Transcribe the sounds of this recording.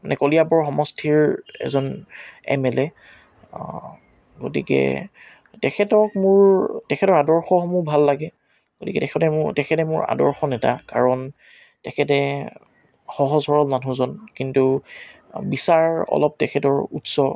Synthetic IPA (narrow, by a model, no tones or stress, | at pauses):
manɛkolijabɔɹxɔmɔstʰiɹɛ̰zɔnɛ̰mɛlɛ | ɡo̰tikɛ̰ | tɛkʰɛtɔk̚mʊɹtɛkʰɛtɔɹadɔɹxɔhɔmubʱalːaɡɛ | ɡ̥otikɛtɛkʰɛtɛtɛkʰɛtɛmʊɹa̰dɔɹxɔnɛta̰kaɹɔn | tɛkʰɛtɛ | xɔɦɔzɦɔɹɔlmanũzɔnkintu | bisaɹɔ̰lɔp̚tɛkʰɛtɔɹutsɔ